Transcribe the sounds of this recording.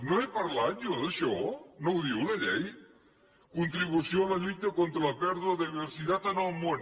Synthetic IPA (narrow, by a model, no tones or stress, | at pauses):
noepaɾlaɲoðeʃɔnowðiulaʎɛj | kunt̪ɾiβusjolaʎut̪akont̪ɾalapɛɾðuaðeβeɾsiðat̪anomon